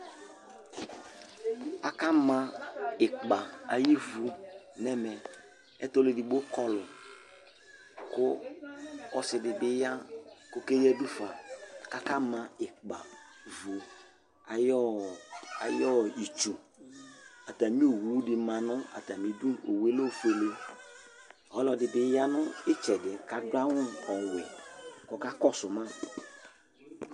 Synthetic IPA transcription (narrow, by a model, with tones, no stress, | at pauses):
a˨ka˦mã˨ɪ˨k͡pa˨a˨ji˦vu˨nɛ˦mɛ˨ | ɛ̰˦tɔ˦le˨di˨bo˦kɔ˦lʊ˨ | kʊ˦ | ɔ˨sɪ˨dɪ˨bɪ˦ja˦ko˦ke˦jɛ˦du˦fa˨ka˦ka˦mã˨ɪ˨k͡pa˨vu˨ | a˨jɔ˦ | a̰˨jɔ˦i˨t͡ʃu˨ | a˨ta˨mĩ˦o˨wu˨˦wdɪ˨mã˨nʊ̃˦a̰˨ta˨mĩ˨du˦o˨we˦lo˦˨fe˨le˦ | ɔ˨˦lɔ˨dɪ˨bɪ˨˦ja˦nʊ̃˦ɪ˦t͡ʃɛ˨dɪ˨ka˨dʊ˦a˦wʊ̃˦ɔ˨wɛ˨kɔ˦ka˦kɔ˦sʊ˨mã˦